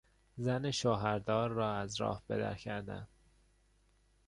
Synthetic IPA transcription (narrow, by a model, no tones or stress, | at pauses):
zæneʃoːɦæɾd̪ɒːɾːɒːæzɾɒ̰ːhb̥e̞̰d̪æ̰ɾcʰæɾd̪æ̰n